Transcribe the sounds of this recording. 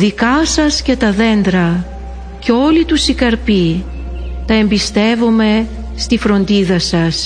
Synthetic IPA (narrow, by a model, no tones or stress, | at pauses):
ðikɐsɐsce̞t̪ɐðe̞nd̪ɾɐ | ceo̞lit̪usikɐɾpi | t̪ɐe̞mbist̪e̞vome̞ | st̪ifɾo̞nd̪iðɐsɐs